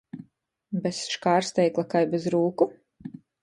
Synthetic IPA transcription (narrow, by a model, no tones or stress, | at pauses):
bɛsʃkaːɾst̪ɛjklˠakajbɛzɾuːku